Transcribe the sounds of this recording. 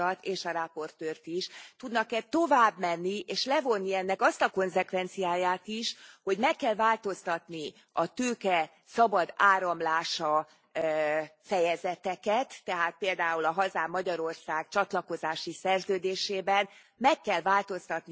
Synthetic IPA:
ɒt̪eːʃɒɾɛpo̞rt̪øːrt̪iʃt̪ud̪nɒkɛt̪ːo̞vaːbmɛnːiʔeːʃlɛvo̞nːiɛnːɛkɒst̪ɒko̞nsɛkʋɛnt̪sijaːjaːt̪iʃho̞ɟmɛkːɛlvaːlt̪o̞st̪ɒt̪ni | ɒt̪øːkɛ | sɒbɒd̪aːɾɒmlaːʃɒ | fɛjɛzɛt̪ɛkɛt̪ːɛɦaːt̪̚peːld̪aːulɒɦɒzaːmːɒɟɒɾo̞rsaːɡt͡ʃɒt̪lɒko̞zaːʃisɛrzøːd̪eːʃeːbɛn | mɛkːɛlvaːlt̪o̞st̪ɒt̪ni

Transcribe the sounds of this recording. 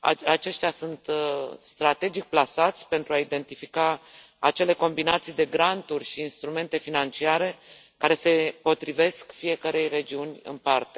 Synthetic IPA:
a̰at͡ʃe̞ʃt̪ʲjasunt̪st̪ɾat̪e̞d͡ʒik̚plasat̪sʲpe̞nt̪ɾuaid̪e̞nt̪ifikaː | t͡ʃe̞le̞ko̞mbinat̪sijd̪e̞ɡɾant̪urʲʃiːnst̪ɾume̞nt̪e̞finant͡ʃiaɾe̞ | kaɾe̞se̞po̞t̪ɾive̞skfije̞kəɾe̞jre̞d͡ʒiunʲɨ̰npart̪e̞

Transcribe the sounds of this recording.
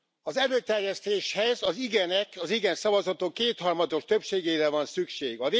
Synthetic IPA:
ɒzɛløːt̪ɛrjɛst̪eːʃhɛzɒziɡɛnɛkɒziɡɛnsɒvɒzɒt̪okːeːt̪hɒrmɒd̪o̞ʃt̪ø̞pʃeːɡeːɾɛvɒnsykʃeːɡɒve

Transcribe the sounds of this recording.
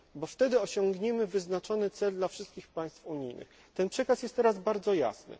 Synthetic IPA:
bɔft̪ɛd̪ɘɔɕɔ̃ŋɡɲɛmɘvɘznat͡ʂɔnɘt̪sɛld̪lafʂɘst̪̚kʲixpaj̃st̪fuɲḭjnɘ̰x | t̪ɛnpʂɛkasjɛst̪ːɛɾazbaɾd̪zɔja̰snɘ̰

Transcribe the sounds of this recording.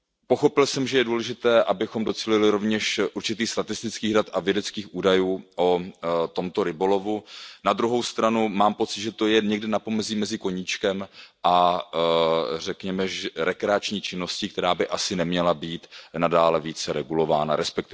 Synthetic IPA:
po̞xo̞pɪlsɛmʒɛjɛduːlɛʒɪt̪ɛːʔabɪxomdo̞t͡siːlɪlɪɾo̞vɲɛʃʔuɾt͡ʃɪt̪iːxst̪at̪ɪst̪ɪt͡skiːɣdat̪avjɛdɛt͡skiːxʔuːdajuːʔot̪o̞mt̪o̞ɾɪbo̞lo̞vunad̪ɾuɦo̞wst̪ɾanumaːmpo̞t͡sɪt̪ʒɛt̪o̞jɛɲɛɡdɪnapo̞mɛziːmɛzɪko̞ɲit͡ʃkɛmʔa | rɛkɲɛmɛʒɛɾɛkɾɛat͡ʃɲiːt͡ʃɪno̞scɪkt̪ɛɾaːbɪʔasɪnɛmɲɛlabiːt̪nadaːlɛviːt͡sɛɾɛɡulo̞va̰ːna̰ɾɛspɛk̚t̪ɪ

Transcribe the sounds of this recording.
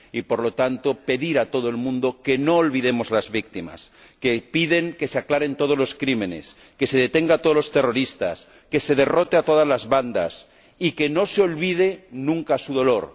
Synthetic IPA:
ipo̞ɾlo̞t̪ant̪o̞pe̞ðiɾat̪o̞ð̞oe̞lmũnd̪o̞ke̞no̞ːlβiðe̞mo̞zlazβik̚t̪ima̰s | kepiðe̞ŋke̞seaklaɾe̞nt̪o̞ð̞ozlo̞skɾimẽ̞ne̞̰s | ke̞se̞ð̞e̞t̪eŋɡat̪oð̞olo̞st̪ero̞ɾist̪a̰s | ke̞se̞ð̞e̞ro̞t̪eat̪o̞ð̞azlazβand̪a̰s | ike̞no̞seo̞lβið̞e̞nũŋkasuðo̞lo̞ɾ

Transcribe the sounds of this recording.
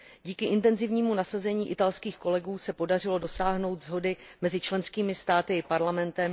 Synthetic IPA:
ɟiːkɪʔɪnt̪ɛnzɪvɲiːmunasazɛɲiːʔɪt̪alskiːxko̞lɛɡuːsɛpo̞darɪlo̞do̞saːɦno̞wt̪zɦo̞dɪmɛzɪt͡ʃlɛnskiːmɪst̪aːt̪ɪɪpaɾlamɛnt̪ɛm

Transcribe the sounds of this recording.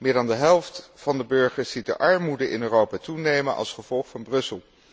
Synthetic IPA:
mɪːɹdɑndəɦɛlˠftfɑndəbøɹχəɹsit̚də̰ʔɑɹmudəʔɪ̰nøːrowpatunejmənʔɑ̰lˠsχəv̥ɔlˠχfɑnbrɵsəlˠ

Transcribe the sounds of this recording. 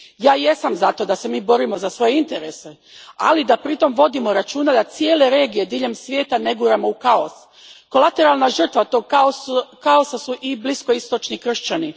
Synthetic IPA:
jaːje̞samzat̪o̞d̪ase̞miːbo̞ɾimo̞zasʋo̞jeint̪e̞ɾe̞se̞ | a̰lid̪apɾit̪o̞mʋo̞d̪imo̞ɾat͡ʃuːnad̪at̪sije̞ːle̞ɾe̞ːɡije̞d̪iːʎe̞msʋjeːt̪aneɡuːɾamo̞ukao̰s | ko̞lat̪e̞ɾalˠnaʒr̩t̪ʋat̪oɡ̚kokao̞sasuʔiblisko̞ist̪o̞t͡ʃnikr̩ʃt͡ɕani

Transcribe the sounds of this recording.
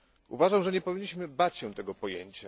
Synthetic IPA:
ṵvaʐamʐɛɲɛpɔvʲiɲːiɕmɘbat͡ɕɕɛ̃t̪ɛɡɔpɔjḛɲt͡ɕa

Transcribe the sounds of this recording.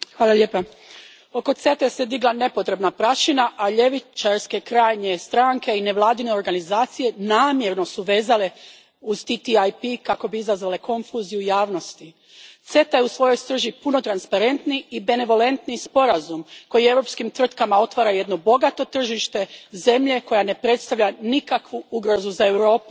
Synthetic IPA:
xʋaːlˠalʎeːpa | o̞ko̞t̪se̞t̪ese̞d̪iɡlˠane̞po̞t̪ɾe̞bnapɾaʃinaʔaʎe̞ʋit͡ʃaɾske̞kɾaːjɲe̞st̪ɾaːŋke̞ine̞ʋlˠaːd̪ine̞o̞ɾɡanizaːt̪sije̞naːmje̞ɾno̞suʋe̞ːzale | uzt̪it̪iajpikako̞biizazʋale̞ko̞nfuzijujaːʋno̞st̪i | t̪se̞t̪ajeusʋo̞jo̞jst̪r̩ʒipuno̞t̪ɾanspaɾe̞nt̪niibe̞ne̞ʋo̞le̞nt̪nispo̞ɾazumko̞jie̞ʋɾo̞pskimt̪ʋɾr̩t̪kamao̞t̪ʋaɾaje̞d̪no̞bo̞ɡat̪o̞t̪r̩ʒiʃt̪e̞ze̞mʎe̞ko̞jane̞pɾe̞t̪st̪aʋʎanikakʋuuɡɾo̞zuzae̞ʋɾo̞ːpu̥

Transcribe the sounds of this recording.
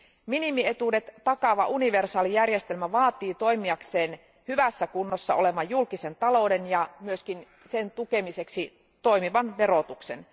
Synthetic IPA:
minimie̞t̪ude̞t̪ːɑkɑʋɑʔuniʋe̞rsɑːlijærjest̪e̞lmæʋɑːt̪ˑiːt̪o̞imiɑkseːn | hyʋæsːækunːosːɑ̰o̞leʋɑjjulkise̞nt̪ɑlo̞wde̞njɑmyøskin | sent̪uke̞mise̞ksi | t̪o̞imiʋɑnʋe̞ɾot̪uksḛn

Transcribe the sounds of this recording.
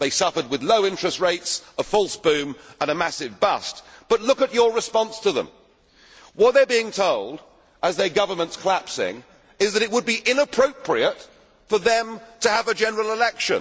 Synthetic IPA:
ðeɪsʌfə˞d̚wɨðloʊɪ̃nt͡ʃɹ̥ɨst̚ɹeɪtsəfɔlˠsb̥ʉ̃mə̃ñɨmæsɨvbʌst̚b̥ʌtˡlʊkɨt͡ʃə˞ɹɨspɑ̃nstʰɨðə̰̃m | wʌt̪̚ðə˞biɪ̃ŋtʰoʊlˠd | əzðə˞ɡʌvə˞mə̃ntskʰəlæpsɪ̰̃ŋ | ɨzðɨɾɨt̚wəd̚biʔɪ̃nəpʰɹ̥oʊpʰɹiɨt | fə˞ðɨ̃mtʰɨːvɨd͡ʒɛnə˞l̩ˠəlɛkʃɨ̰̃n

